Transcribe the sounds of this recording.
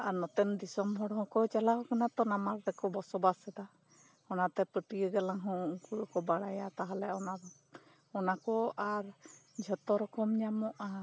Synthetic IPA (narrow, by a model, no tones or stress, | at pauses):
aɾnɔt̪ɛnd̪isɔmɦɔɽɦɔ̃kɔt͡ʃalaɦɔkanat̪ɔnamaɾɾɛkɔbɔsɔbasɛd̪a | ɔnat̪ɛpəʈiəɡalaŋɦɔ̃uŋkuɾɔkɔbaɽajat̪aɦalɛɔnad̪ɔ | ɔnakɔaɾd͡ʒʱɔt̪ɔɾɔkɔmɲamɔʔa